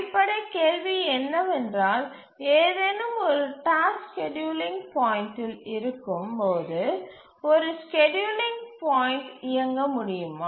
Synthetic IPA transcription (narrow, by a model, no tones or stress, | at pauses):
pːɐɽɐkeːɻʋiɛnːɐʋɛndraːl | eːðɛnɯmɔɾɯʈaːskɛɖjuːlɪŋɡpaːjɪnʈɪlɪɾɯkːɯmpoːðɯ | ɔɾɯskɛɖjuːlɪŋɡpaːjɪnʈɪjɐŋɡɐmʊɽɪjɯmaː